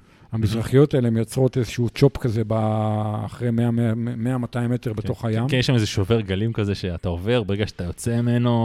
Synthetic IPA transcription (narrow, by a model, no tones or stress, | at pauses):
hamizʁaχijo̞taeleemjot͡sʁo̞tezeʃuut͡ʃo̞pkazebaːχʁejme̞ameameamataimeteʁbet̪o̞χajamjeʃamezeʃoveʁɡalimkazeʃeataove̞ʁbeeɡaʃeat̪ajo̞t͡seimeno